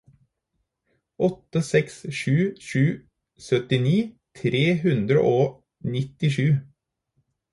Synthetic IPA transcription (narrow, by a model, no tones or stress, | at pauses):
ʔɔt̪ːəsɛksʃʉːʃʉː | sœt̪ɪniːt̪ʰɾeːhʉnd̪ɾə̰ʔoː | nɪt̪ɪʃʉː